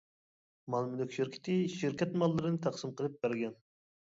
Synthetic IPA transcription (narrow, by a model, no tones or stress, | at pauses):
mɑlˠmylykʲʃiɾkʲʰɪ̥t̪ʰɪʃiɾkʲɛt̪mɑlˠːɨɾɨnɨt̪ʰɑqsɨmqʰəlˠɨp̚b̥æɾɡʲɛn